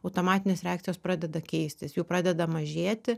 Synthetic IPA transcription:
ɐʊt̪oːmɑːt̪ʲɪnʲeːsɾʲɛaːk̚t̪ʲɪjoːspɾɑːd̪ʲɛd̪ɐkʲɛɪsʲt̪ʲɪsjuːpɾɑːd̪ʲɛd̪ɐmɐʒʲeːt̪ʲɪ

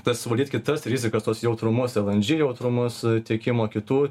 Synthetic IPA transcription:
t̪ɐssʊʋɐlʲdʲiːt̪ʲkʲɪt̪ɐsɾʲizʲɪkɐst̪oɔsjɛʊt̪ɾʊmʊsʲɛlˠɐnʲd͡ʒʲɪjɛʊt̪ɾʊmʊst̪ʲiɛkʲɪmoːkʲɪt̪uː

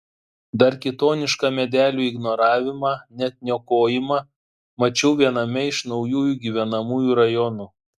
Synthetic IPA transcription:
d̪ɐɾkʲɪt̪oːnʲɪʃkɑmʲɛd̪ʲæːlʲuːɪɡnɔɾɑːʋʲɪmɑːnʲɛt̪ʲnʲɛkoːjɪmɑ | mɐt͡ʃʲɛʊʋʲiɛnɐmʲɛɪʃnɒʊjuːjuːɡʲiʋʲɛnɐmuːjuːɾɐjɔnu

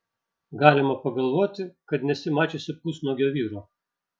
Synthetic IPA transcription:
ɡɑːlʲɪmɐpɐɡɐlˠʋoːt̪ʲɪkɐt̪nʲɛsʲɪmɑːt͡ʃʲesʲɪpʊsnoːɡʲoːʋʲiːɾoː

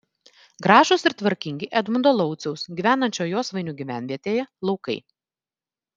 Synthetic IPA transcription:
ɡɾɑːʒʊsɪɾt̪ʋɐɾʲkʲɪŋʲɡʲɪʔɛd̪mʊnd̪oːlˠɒʊt̪sʲɛʊsɡʲiʋʲæːnɐnʲt͡ʃʲoːjoːsʋɐɪnʲuːɡʲiʋʲæːˑnʲʋʲiɛt̪ʲeːjɛlˠɒʊkɐɪ

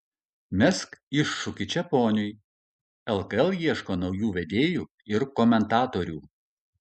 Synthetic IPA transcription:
mʲɛskɪʃːʊkʲɪt͡ʃʲɛpoːnʲʊj | ɛlˠkɐɛlˠjiɛʃkoːnɒʊjuːʋʲɛd̪ʲeːjuː | ɪɾkɔmʲɛnt̪ɑːt̪oːɾʲuː

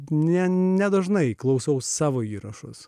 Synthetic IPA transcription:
nʲɛnʲɛd̪ɐʒnɐɪklˠɐʊsɐʊsɑːʋoːiːɾɐʃʊ̰s

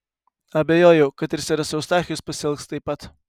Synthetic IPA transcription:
ɐbʲɛjoːjɛʊkɐt̪ɪɾsʲɪɾɐsʲɛʊst̪ɑːxʲɪjospɐsʲɛlˠkst̪ɐɪpːɐt̪

